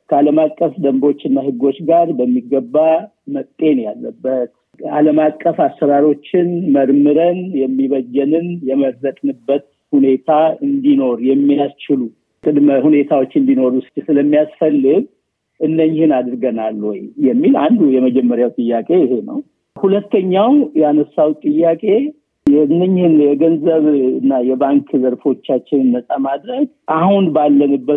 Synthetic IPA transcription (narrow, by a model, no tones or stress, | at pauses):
kʰəaləmakʼːəfd̪əmbo̞t͡ʃːɪnːahɨɡo̞t͡ʃːɡaɾbəmːiɡəbːa | məkʼt̪ʼe̞njalːəbːət̪ | a̰ləmakkʼːəfasəɾaɾo̞t͡ʃːɪnməɾmɨɾənjɛmːiβəd͡ʒːɛnɨnjɛməɾzət̪ʼnɨbːət̪̚ | hune̞t̪ʰaɨnd̪ino̞ɾjɛmːijast͡ʃɪlu | kʼɨd̪məhune̞t̪ʰawot͡ʃːɨnd̪ino̞ɾuɨst̪ʼsɨləmːijasfəlːɨɡ | ʔɨnːəɲːɪhɨnad̪ɾɡənalːojjɛmːila̰nd̪ujɛməd͡ʒɛmːəɾjawt̪ʼɨjːakʼe̞ɪɦe̞nə̰w | hulət̪ʰːəɲːawjɛanəsːawt̪ʼɨjːakʼe̞ | jɛɨnːəɲːɪhɨnjɛɡənzəβɨnːajɛbaŋkʰzəɾfo̞t͡ʃːat͡ʃːɪnɨnːəsʼamad̪ɾəɡ | ʔahunbalːənɨbːə